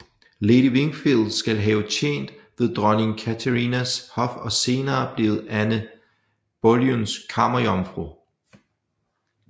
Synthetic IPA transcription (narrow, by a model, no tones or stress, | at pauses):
lediʋe̝ŋ̥filˠd̥sɡ̥ælɦɛːʊt͡ɕʰḛːn̰d̥ʋe̝ðˠd̥ʁɶneŋkʰæt͡sʰəʁinæshɒ̽fɒ̽se̝ːnɐːb̥le̝ːð̩ˠænə | b̥oljonskʰɑ̈mɐjɒmfʁo